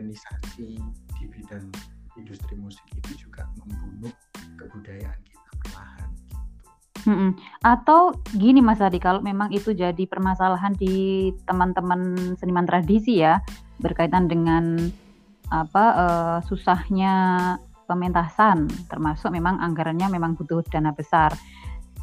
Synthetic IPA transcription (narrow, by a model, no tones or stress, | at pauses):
nisasid̥ividanindust̪ɾimusɪ̥kit̪ud͡ʒuɡ̥aməmbulʊt̪̚kəbudajaʔankit̪apərmaha̰nɡ̥it̪u̥ | m̩hm̩ʔat̪awɡinimasət̪adikaloʔmemaŋit̪ud͡ʒadipərmasalaɦandit̪əmənt̪əmənsənimant̪ɾadisijabərkait̪andəŋan | apaʔəːsusahɲa | pəment̪asant̪ərmasʊk̚memaŋʔaŋɡaɾanɲamemaŋbut̪ʊhd̥anabəsar